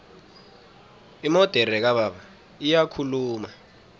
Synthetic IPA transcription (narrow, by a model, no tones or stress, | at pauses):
imɔd̥ʱɛɾɛk̬aɓaɓa | ijakʰuluːma